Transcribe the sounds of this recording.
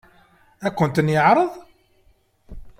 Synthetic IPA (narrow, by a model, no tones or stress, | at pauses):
ækʷːʊnt̪ənjəʕɾˤəðˤ